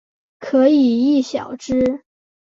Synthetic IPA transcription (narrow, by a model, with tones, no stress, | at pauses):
kʰɤ˧˥i˨˩i˥˩ɕjɑ˨˩ʊʈ͡ʂɻ̩˥